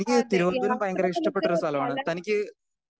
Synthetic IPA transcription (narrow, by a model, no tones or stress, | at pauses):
enikʲːɨt̪iɾuʋɐd̪unumpɐjɐŋɡɐɾɐiʂʈɐpːe̞ʈːurɐst̪ʰɐlɐmaːɳɨt̪ɐnikʲːɨ